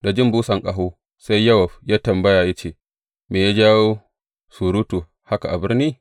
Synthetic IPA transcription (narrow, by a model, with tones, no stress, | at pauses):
da˨d͡ʒɪ˦mbuː˦sɐ˨ŋkʼa˨ɦuː˦ | sa˦jːɐ˦wɐ˨ɸjaː˦tɐ˨mbɐ˦jaː˨ja˦t͡ʃeː˦˨ | meː˨ja˦d͡ʒaː˦woː˦ | su˨ɾu˦tu˨ | ha˦ka˨ʔa˨bɪ˦rniː˦